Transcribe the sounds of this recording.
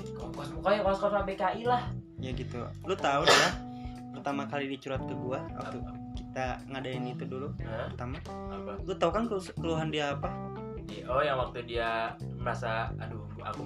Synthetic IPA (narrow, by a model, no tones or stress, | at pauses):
kɔŋkɔsmukɔjakɔskɔsmabekaʔilah | ijaɡit̪ulut̪audila | pərt̪amakalidit͡ʃuɾat̪̚kəɡuawa̰kt̪u | kit̪aŋadaɪnit̪uduluərt̪ama | plut̪aukankəskəluɦandiaːpa | diʔɔjaŋwak̚t̪udiaməɾasaadu | a̰ku